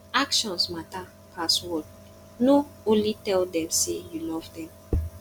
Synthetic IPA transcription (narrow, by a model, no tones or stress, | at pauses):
akʃɔ̃nsmata | pʰaswɔd̚ | noõnlitɛldɛ̃msejulɔvdɛ̃m